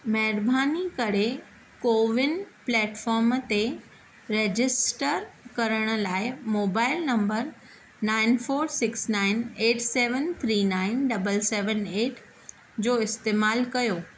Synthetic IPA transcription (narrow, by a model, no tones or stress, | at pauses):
mɐɦɪɾbʱaːnikɐɽ̤e | koːʋɪnplɛːʈfɔːɾmt̪e | ɾeːd͡ʑɪsʈəɾkɐɾəɽ̃ə̆laːɪmoːbaːɪlnɐ̃mbəɾ | naːɪnfoːɾsɪksnaːɪneːʈseːʋənt̪ʰɾiːnaːɪnɖɐbəlsɛːʋəneːʈʰ | d͡ʑoːɪst̪eːmaːlkɐjoː